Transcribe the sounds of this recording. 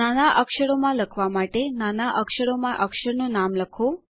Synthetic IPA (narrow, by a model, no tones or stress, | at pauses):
anaʔəkʂəɽomãləkʰʋamaʈenanaʔəkʂəɽomãʔəkʂəɾnonamləkʰo